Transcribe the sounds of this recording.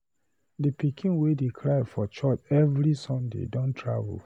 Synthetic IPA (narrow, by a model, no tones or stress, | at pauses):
dipikʰĩnwedekʰlajfɔt͡ʃɔtɛvɾisɔ̃ndḛdɔ̃ntʰɹa̰vṵl